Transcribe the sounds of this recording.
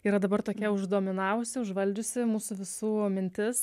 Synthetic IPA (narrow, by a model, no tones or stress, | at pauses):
iːɾɐd̪ɐbɐrt̪oːkʲiɛʊʒd̪oːmʲɪnɑːʋʊsʲɪʊʒʋɐlʲd͡ʒʲʊsʲɪmuːsʊʋʲɪsuːmʲɪnʲt̪ʲɪs